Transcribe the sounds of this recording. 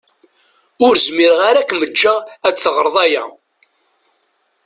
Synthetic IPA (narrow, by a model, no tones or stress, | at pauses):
ʊɾzmiɾʁaɾækːməd͡ʒːææd̪θəʁəɾˤðˤɑjæ̰